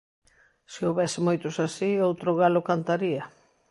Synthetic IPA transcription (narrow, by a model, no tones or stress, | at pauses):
sɪowβɛsɪmojt̪ʊsasiowt̪ɾʊɣalʊkant̪aɾiɐ